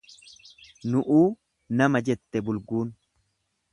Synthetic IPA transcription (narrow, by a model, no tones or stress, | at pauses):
nʊʔuː | nɐmɐd͡ʒɛt̪ːɛbʊlɡuːn